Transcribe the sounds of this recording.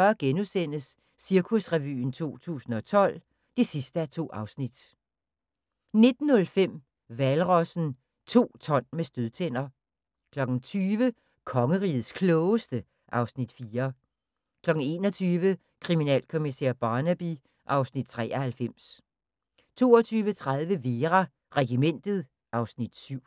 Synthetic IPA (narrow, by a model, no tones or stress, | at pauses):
ɐɡ̥enusen̰əsː | iɐkʰusʁɛʋy̰ːn̩t͡sʰo̝̰ːt͡sʰṵːsn̩ɒ̽t͡sʰɒ̽l̰ | d̥e̝sisd̥əæɐt͡sʰo̝̰ːʔɑ̈ʊsnid̥ | ne̝d̥n̩ːɔ̽lfem̰ | ʋælʁɒ̽sn̩ | t͡sʰo̝̰ːt͡sʰɒ̽n̰mesd̥øðˠt͡sʰen̰ɐ | kʰlɒ̽ɡ̥n̩t͡sʰyːʋə | kʰɒ̽ŋəʁḭːð̩ˠskʰlɔːʊəsd̥ə | ʔɑ̈ʊsnid̥fiːɐ | kʰlɒ̽ɡ̥n̩e̝̰ːnɒt͡sʰyːʋə | kʰʁiminɛ̰ːlkʰo̝misɛ̰ɐ̰b̥ɑ̈ːnæb̥i | ʔɑ̈ʊsnid̥̚t͡sʰʁɛ̰ːʔɐhælfem̰s | t͡sʰo̝̰ːɒt͡sʰyːʋət͡sʰʁað̞ˠʋəʋe̝ːʁɑ | ʁɛɡ̥imen̰d̥ð̞̩ˠ | ʔɑ̈ʊsnid̥syʊ̰